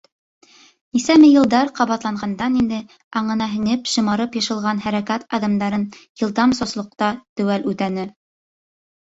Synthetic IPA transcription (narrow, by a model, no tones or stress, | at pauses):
nisæmɘjɤ̆lˠd̪ɑɾqɑβɑt̪lˠɑɴɢɑnd̪ɑnind̪ɘ | ɑɴɤ̆nɑɦɘ̆nɘpʃɤ̆mɑɾɤpjɤ̆ʃɤ̆lˠʁɑnɦæɾækæt̪ɑðɑmd̪ɑɾɤnjɤ̆lˠd̪ɑmsŏslˠŏq̚t̪ɑt̪ɵ̆wælʉt̪ænɘ